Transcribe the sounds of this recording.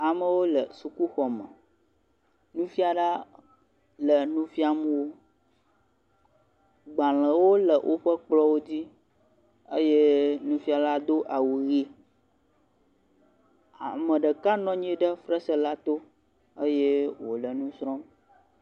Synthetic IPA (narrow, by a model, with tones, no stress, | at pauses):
a˨mə̃˨wo˦lə˨su˨ku˦xɔ˨mə̰̃˨ | nũ˦fi˦a˨ɖa˦ | lə˨nũ˦fi˦a˨mə̃˦wo˦ | ɡ͡ba˨l̃ə̃˨wo˦lə˨wʔo˦ɸə˦k͡plɔ˦wo˦d͡ʑi˦ | ə˦je˦nũ˦fi˦a˨la˦d̪o˦ʔa˨wu˨ɣi˦ | a˨mə̃˨ɖə˨ka˦nɔ̃˦ɲ˦ĩ˦ɖə˦fɾə˦sə˦la˦t̪o˦ | ə˦je˦wo̰˨lə˨nũ˦sɾɔ̃˦m